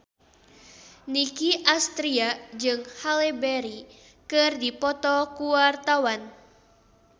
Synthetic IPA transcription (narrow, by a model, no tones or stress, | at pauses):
nikiʔast̪ɾiad͡ʒɨŋhalɛbɛɾi | kɨrdipɔt̪ɔkuwart̪awan